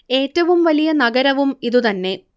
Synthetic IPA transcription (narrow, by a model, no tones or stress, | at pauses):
e̞ːtːɐʋumʋɐlijɐnɐɡɐɾɐʋumiðut̪ɐnːe̞